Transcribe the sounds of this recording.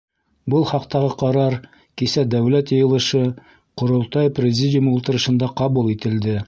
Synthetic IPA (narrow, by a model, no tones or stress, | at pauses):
bɤlˠχɑqt̪ɑʁɤqɑɾɑɾ | kisæd̪æwlæt̪jɤ̆jɤ̆lˠɤ̆ʃɤ | qŏɾŏlˠt̪ɑjprʲɪzʲidʲɪjumulˠt̪ɤ̆ɾɤ̆ʃɤ̆nd̪ɑqɑβulˠit̪ɘ̆ld̪ɘ